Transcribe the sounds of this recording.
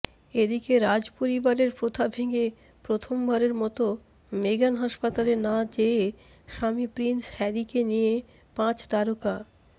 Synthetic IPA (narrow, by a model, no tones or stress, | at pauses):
ed̪ikeɾad͡ʑpoɾibaɾeɾpɾot̪ʰabʱeɡe | pɾot̪ʰombʱaɾeɾmɔt̪o | meɡanɦaʃpat̪alenãd͡ʑe | ʃamipɾinshɛɾikenije | pãt͡ɕd̪aɾoka